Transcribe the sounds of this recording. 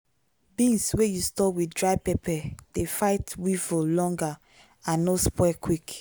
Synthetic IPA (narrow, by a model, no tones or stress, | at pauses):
bĩnswejustɔwidɹaɪpɛpʰɛd̥efaɪtwivolɔ̃ŋɡa | ãnːospwɛkwik